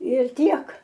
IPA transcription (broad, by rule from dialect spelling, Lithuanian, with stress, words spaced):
ɪr ˈtʲiɛk